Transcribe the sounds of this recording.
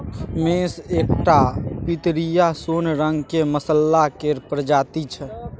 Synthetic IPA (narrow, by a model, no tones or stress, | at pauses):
meːseːk̚ʈapit̪ɾijasoːnɾə̃ŋɡkeməsəlːakeɾpɾəd͡ʒaːt̪it͡ʃʰɛ